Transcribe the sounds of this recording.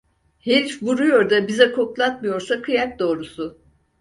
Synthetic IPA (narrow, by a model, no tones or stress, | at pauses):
helʲfvuɾujo̞ɾd̪abizɛkʰo̞klˠat̪̚mɯjo̞ɾsakʰɯjak̚d̪o̞ːɾusʊ